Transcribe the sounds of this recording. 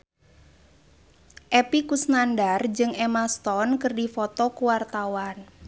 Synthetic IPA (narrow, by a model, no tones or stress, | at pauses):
ʔepikusnandard͡ʒɨŋʔemast̪ɔnkɨrdifɔt̪ɔkuwart̪awan